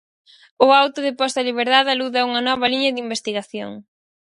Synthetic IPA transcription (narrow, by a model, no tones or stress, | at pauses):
ʊawt̪ʊðepɔst̪ɐliβ̞eɾðaðaluðɐuŋɐnɔβɐliɲɐðimbest̪iɣaθjo̰ŋ